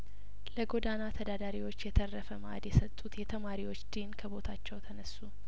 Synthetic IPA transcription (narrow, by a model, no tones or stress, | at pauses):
ləɡo̞d̪anat̪ʰəd̪ad̪aɾiwo̞t͡ʃːjɛt̪ʰərːəfəma̰d̪jɛsət̪ʼːut̪jɛt̪ʰəmaɾiwo̞t͡ʃːd̪inkʰəbo̞t̪ʰat͡ʃːɛwt̪ʰənəsːu